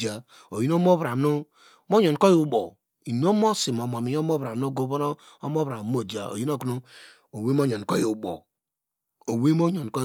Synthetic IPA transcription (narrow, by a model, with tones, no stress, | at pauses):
a˨ | o˨ji˦n˦o˦mo˦βɾa˨m˦nu˦ | mo˦ɲɔ˨n˨ko˦ji˦u˨˦ɓo˨ | i˨nu˦o˦mo˦si˨m˨m˨o˨mi˨˦o˦mo˦βɾa˨m˦no˦ɡo˦βo˦no˦ | o˦mo˦βɾa˨˦mo˦˨d͡ʒa˨o̰˨ji˦n˦o˦knu˦ | o˨we˦mo˦ɲo˨n˨ko˦ju˨bo̰˨ | o˨we˦mo˦ɲo˨n˨ko˦